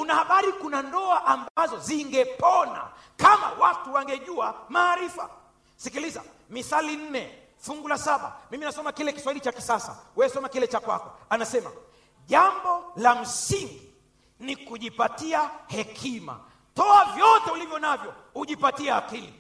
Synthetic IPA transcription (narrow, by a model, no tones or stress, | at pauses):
unahaɓaɾikunandɔaʔambazɔziŋɡɛpɔna̰ | kama̰watuwaŋɡɛʄuamaːɾifa̰ | sikiliza̰ | miθalin̩nɛ | fuŋɡulasaɓa̰miminasɔmakilɛki̥swailit͡ʃaki̥sasa̰wɛsɔmakilɛt͡ʃakwa̰kɔanasɛma̰ | ʄambɔlam̩siŋɡi | nikuʄipatiahɛkʰima̰ | tɔavjɔtɛulivjɔnavjɔhuʄipatiaakili